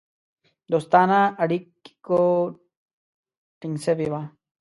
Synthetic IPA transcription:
d̪ost̪anaɐɽiki̥ko | ʈiŋsebiβa

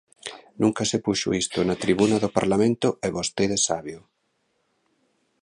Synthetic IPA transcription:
nũŋkɐsɪpuʃʊ̰ist̪ʊnat̪ɾiβunɐðʊpa̰ɾlamẽnt̪ʊɛβost̪eðesaβjo

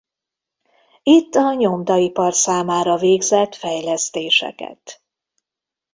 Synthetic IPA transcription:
it̪ːɒɲo̞md̪ɒipɒrsaːmaːɾɒveːɡzɛt̪fɛjlɛst̪eːʃɛ̰kɛ̰t̪

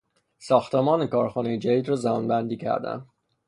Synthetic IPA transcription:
sɒːxt̪ʰemɒːnekʰɒːɾxɒːnejed͡ʒæd̪iːd̪ɾɒːzæbɒnbænd̪iːcʰæ̰ɾd̪æ̰nd̪

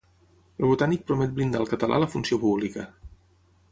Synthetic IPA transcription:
əlˠβut̪anik̚pɾumɛt̪̚blind̪alˠkət̪əlʔa̰ləfunsiopuβlikə

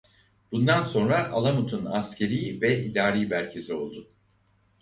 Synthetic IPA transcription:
b̥und̪anso̞nɾaʔalˠamut̪ʰunascʰe̞ɾijvɛʔid̪aːɾiːbæɾcʰe̞sio̞̰lˠd̪ʊ

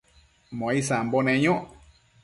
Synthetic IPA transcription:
mõaisambonẽɲõʔ

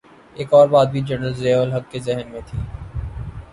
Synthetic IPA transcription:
eːkɔːɾbaːd̪̚bʱid͡ʒɐnəlzeːʋəlɦɐkːezɛɦnmẽt̪ʰiː

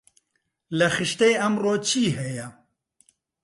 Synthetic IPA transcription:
lɐxɨʃt̪ejɐmroːt͡ʃʰiːɦɛjɛ

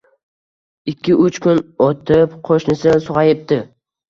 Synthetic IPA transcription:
ɪkʲʰːɪʊt͡ʃkʰʊnot̪ʰɪpqʰoʃnɪsɪnsʊʁɑjɪp̚t̪ɪ

